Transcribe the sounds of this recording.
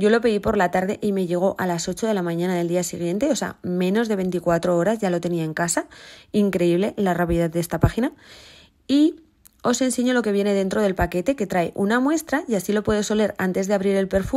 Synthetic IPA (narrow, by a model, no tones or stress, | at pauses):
ɟ͡ʝo̞lo̞pe̞ðipo̞ɾlat̪aɾðe̞ʔime̞ʝe̞ɣ̞o̞ʔalaso̞t͡ʃo̞ð̞e̞lamãɲãnaðe̞ld̪iasiɣ̞je̞nt̪e̞o̞sea̰mẽ̞no̞zðe̞βe̞nt̪ikwat̪ɾo̞oɾazʝalo̞t̪e̞niae̞ŋkasaiŋkɾe̞iβle̞larapiðaððe̞st̪apaxina | i | o̞se̞nse̞ɲo̞lo̞ke̞β̞je̞ne̞ð̞e̞nt̪ɾo̞ð̞e̞lpake̞t̪e̞ke̞t̪ɾaeʔunamwe̞st̪ɾajasilo̞pwe̞ðo̞so̞le̞ɾa̰nt̪e̞zðeaβɾiɾe̞lpe̞ɾfu